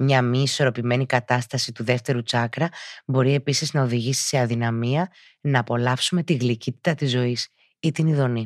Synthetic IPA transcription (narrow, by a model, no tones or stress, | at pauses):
mɲɐmiiso̞ɾo̞pime̞nikɐt̪ɐst̪ɐsit̪uðe̞ft̪e̞ɾut͡sɐkɾɐbo̞ɾie̞pisiznɐo̞ðiʝisi̥se̞ɐðinɐmiɐ | nɐːpo̞lɐfsume̞t̪iɣlicit̪i̥t̪ɐt̪izo̞is | it̪iniðo̞ni